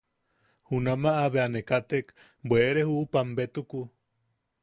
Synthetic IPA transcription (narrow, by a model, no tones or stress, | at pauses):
hunamaʔaβeanekat̪ek | bweʔeɾehupambet̪uku